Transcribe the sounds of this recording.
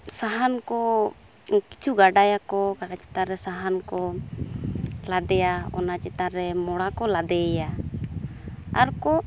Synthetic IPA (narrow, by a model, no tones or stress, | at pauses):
saɦankɔ | kit͡ʃʰuɡaɖajakɔɡaɖat͡ʃɛ̥t̪aɾɛsaɦankɔ | lad̪ɛaɔ̰nat͡ʃɛt̪aɾɛmɔɽakɔlad̪ɛja | aɾkɔ